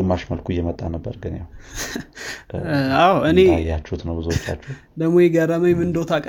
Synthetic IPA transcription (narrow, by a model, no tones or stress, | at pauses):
ɨmːaʃməlkʰujɛmət̪ʼːanəbːəɾɡɨnja̰w | awɨnejːat͡ʃːɛhut̪nəwbɨzuot͡ʃːa̰t͡ʃːɛhu | d̪əɡmːo̞jɛɡəɾəməjmɨnd̪owt̪ʰakʼ